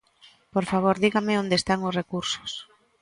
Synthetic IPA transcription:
poɾfaβ̞oɾðiɣamɪond̪eːst̪aŋʊsrekuɾso̥s

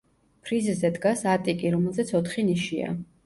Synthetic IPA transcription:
pʰɾizzɛd̪ɡasat̪ʼikʼiɾɔmɛlˠzɛt̪sʰɔt̪ʰχiniʃia̰

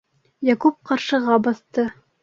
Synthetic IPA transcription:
jɑkup̚qɑɾʃɤ̆ʁɑbɑθt̪ɤ

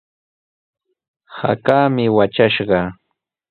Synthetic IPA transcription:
ha̰kaːmɪwat͡ʃaʃɢɑ

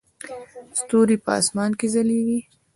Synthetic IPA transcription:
st̪oɾipəɑ̰smɑnkezaleɡi

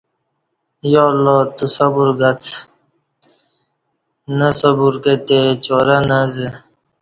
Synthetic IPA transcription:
jolɔt̪usɐbuɾɡat͡sʰ | nəsobuɾket̪et͡ɕoɾanaze

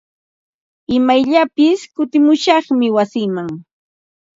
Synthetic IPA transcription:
ɪmajʎapɪskʊt̪ɪmʊʃɑχmɪwasɪːmaŋ

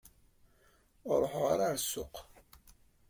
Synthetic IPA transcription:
ɾˤoħʁa̰ɾaɾsːʊ̰q

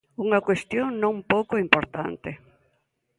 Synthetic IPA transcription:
uŋɐkwest̪joŋnõŋpowkoimpoɾt̪a̰nt̪ɪ

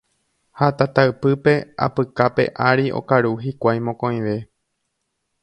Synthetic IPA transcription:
hat̪at̪aɨpɨpe̞a̰pɨkape̞̰ʔaɾiʔo̞̰kaɾuɦikʷajmõkõ̞j̃ʋe̞

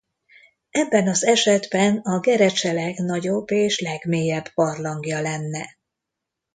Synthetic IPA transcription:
ɛbːɛnɒzɛʃɛd̪bɛnɒɡɛɾɛt͡ʃɛlɛɡnɒɟo̞bːeːʃlɛɡmeːjɛbpɒrlɒŋɡjɒlɛnːɛ

